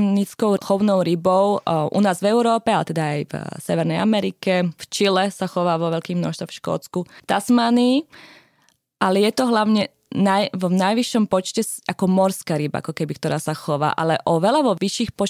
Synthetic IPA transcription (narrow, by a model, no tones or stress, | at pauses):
nit͡skɔʊxɔʊnɔʊɾibɔʊʔṵnaːzʋɛʊɾɔːpɛalɛt̪ɛd̪aːjvsɛʋɛɾnɛjamɛɾikɛft͡ʃilɛsaxɔʋaːʋɔʋɛlkiːɣmnɔ̰ʃst̪ʋɔfʃkɔ̰ːt͡skut̪asmaniː | ʔalɛjɛt̪ɔɦlaʊɲɛ | najnajʋiʃːɔmpɔt͡ʃcɛsʔakɔmɔɾskaːɾiba̰a̰kɔkɛbikt̪ɔɾaːsaxɔʋa̰ːʔa̰lɛʔɔʋɛlaʋɔʋiʃiːxpɔ